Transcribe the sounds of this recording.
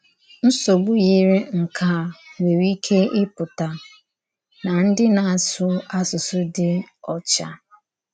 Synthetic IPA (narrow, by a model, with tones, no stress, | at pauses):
n̩˦so˨ɡ͡bʊ˦ɣi˦ɾe˦ŋ̩˨kʰa˨we˨wi˦kʰe˦ɪ˦pʊ˨ta˨ | na˨n̩˦dɪ˦na˨a˨sʊ˦a˦sʊ˨sʊ˦dɪ˦ɔ˨t͡ʃa̰˦